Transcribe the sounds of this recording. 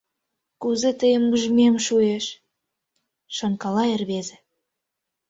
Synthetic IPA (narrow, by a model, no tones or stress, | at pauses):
kuzĕt̪əjəmːuʒmemʃueʃ | ʃŏŋkɑlɑerβezĕ